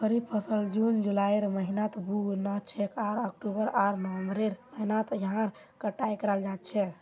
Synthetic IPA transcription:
kəɾibpʰəsəld͡ʒund͡ʒulaeɾməɦinat̪buɡnət͡ʃʰekaɾək̚ʈubəɾaɾnəʋəmbɾeɾməɦinat̪jɦãɾ | kəʈːajkəɾald͡ʒat̪̚t͡ʃʰɛ

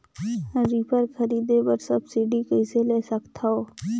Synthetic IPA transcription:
ɾiːpʰəɾkʰɐɾiːd̪ebəɾsɐbsiɖikəɪseleːsəkt̪ʰaoː

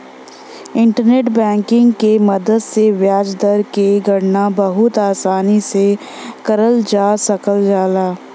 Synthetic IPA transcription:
ɪ̃ɳʈəɾneːʈbɛ̃ːŋkɪ̃ŋɡkemɐd̪əd̪seʋjaːd͡ʒd̪əɾkeɡʱɐɽnabɐɦʊt̪aːsaːnise | kɐɾəld͡ʒaːsɐkəld͡ʒaːlaː

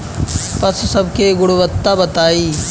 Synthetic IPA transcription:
pɐssɐbkʰeːɡʊɽʊʋət̪ːabɐt̪aːiː

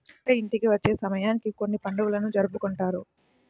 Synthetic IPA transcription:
ɐint̪ikiʋɐt͡ʃːe̞ːsɐmɐjaːnikiko̞nːipɐɳɖuʋulɐnud͡ʒɐɾɐpukoɳʈaːɾu

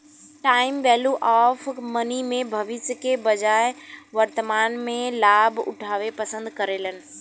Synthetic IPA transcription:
ʈaːɪmʋɛːljuʔaːfmɐnimẽbʱɐʋɪsjəkebɐd͡ʑaːɪʋɐɾt̪əmaːnmẽlaːbʊ̰ʈʰaːʋepɐsə̃nd̪kɐɾeːlənɪ̆

